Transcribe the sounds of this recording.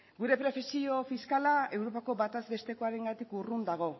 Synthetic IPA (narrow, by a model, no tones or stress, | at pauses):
ɡuɾe̞pɾe̞fesio̞fiskalae̞wɾo̞pako̞βat̪azbe̞st̪e̞ko̞aɾe̞ŋɡat̪ikurund̪aɣ̞o̞